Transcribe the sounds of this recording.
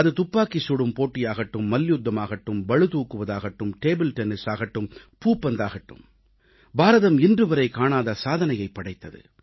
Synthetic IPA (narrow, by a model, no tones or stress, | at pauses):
ɐðɯt̪ʊpːaːkɪsuɽɯmpoːʈːɪjaːɣɐʈːɯmːɐljud̪ːɐmaːɣɐʈːɯmʋɐɻɯt̪uːkːɯʋɐðaːɣɐʈːɯmʈeːbɪlʈɛnɪsaːɣɐʈːɯm | puːpːɐnd̪aːɣɐʈːɯ̰m | baːɾɐðɐmɪndrɯʋɐɾɐɪkaːɳaːðɐsaːðɐnɐjɐɪpːɐɽɐɪt̪ːɐðɯ̰